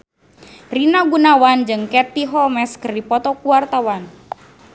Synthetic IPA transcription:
rinaɡunawand͡ʒɨŋkɛt̪iɦɔmɛskɨrdipɔt̪ɔkuart̪awan

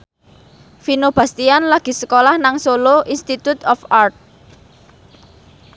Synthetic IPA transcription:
finob̥ä̤st̪ianlaɡ̥i̤sə̥kolahnaŋsoloʔinst̪it̪ut̪ɔfart̪̚

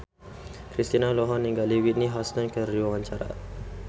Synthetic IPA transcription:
kɾist̪inaloɦɔnːiŋɡaliwit̪̚niɦastənkəriwawaɲt͡ʃaɾa̰

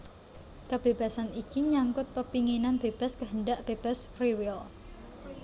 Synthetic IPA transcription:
kəb̥eb̥a̤sanikiɲaŋkʊt̪̚pəpiŋinanb̥eb̥a̤skəɦəɳɖaʔb̥eb̥a̤sfɾiwɪl

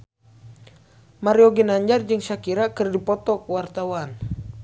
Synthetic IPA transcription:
maɾiɔɡinaɲd͡ʒard͡ʒɨŋʃakiɾakɨrdipɔt̪ɔkwart̪awan

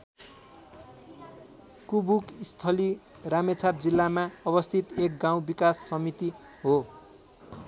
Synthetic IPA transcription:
kubukist̪ʰʌli | ramet͡sʰap̚d͡zilːamaʌbʌst̪ʰit̪ek̚ɡaw̃bikasːʌmit̪i | ɦo

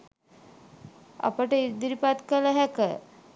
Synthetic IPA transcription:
a̰pəʈəid̪iɾipat̪kələɦækə̰

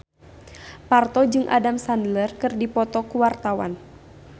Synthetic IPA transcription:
part̪ɔd͡ʒɨŋʔa̰damsandlərkɨrdipɔt̪ɔkuwart̪awa̰n

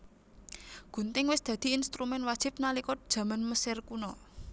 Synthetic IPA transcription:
ɡ̥ṳnt̪ɪŋwɪsd̪̥ä̤d̪̥i̤inst̪ɾumɛnwad̥ʒ̥ɪ̤p̚nalikʊt̪̚d̥ʒ̥ä̤manməsɪrkunɔ

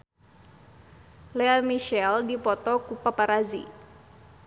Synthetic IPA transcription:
lɛamiʃɛldipɔt̪ɔkupapaɾazḭ

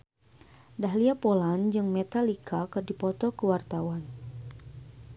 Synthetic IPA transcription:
daɦliapoland͡ʒɨŋmɛt̪alikʰakɨrdipɔt̪ɔkəwart̪awan

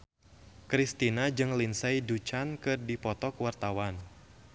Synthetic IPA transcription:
kɾist̪inad͡ʒɨŋlinsajdut͡ʃankɨrdipɔt̪ɔkwart̪awan

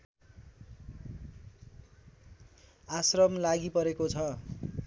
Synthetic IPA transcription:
asrʌmlaɡipʌɾekot͡sʰʌ

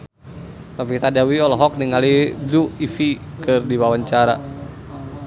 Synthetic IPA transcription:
mafit̪adawiɔlɔɦɔk̚niŋaliduifikɨrdiwawaɲt͡ʃaɾa

